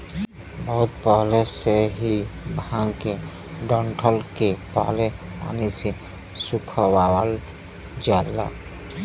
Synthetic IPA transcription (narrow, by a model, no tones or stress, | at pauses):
bəɦʊt̪̚pəɦleseɦibʱãːŋɡke | ɖə̃ɳʈʰəlkepa̰ɦlea̰nise | sʊkʰəwaːwəl | d͡ʒaːla̰